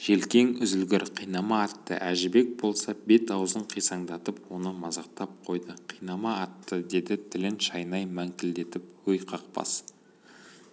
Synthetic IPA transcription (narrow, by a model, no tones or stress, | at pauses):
ʒ̥e̞lkʲe̞ŋʏzɪlɡʲɪɾqʰijnɑmɑːt̪ːə̰ʔæʒɪbe̞k̚bo̞lˠsɑbe̞t̪ɑwzəɴqʰijsɑɴd̪ɑt̪əpwo̞nəmɑzɑq̚t̪ɑp̚qʰo̞jd̪əqʰijnɑmɑːt̪ːəd̪e̞d̪ɪt̪ʰɪlɪnʃɑjnɑjmæŋkʲɪld̪e̞t̪ɪp̚wɵjqʰɑq̚pɑ̰s